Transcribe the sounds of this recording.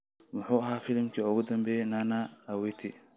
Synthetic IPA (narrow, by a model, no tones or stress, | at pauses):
wʊħuːɐɦaːfɪlmkʰiːʊɣʊd̪ɐmbɛːjnanaɐwɛt̪ʰɪ̰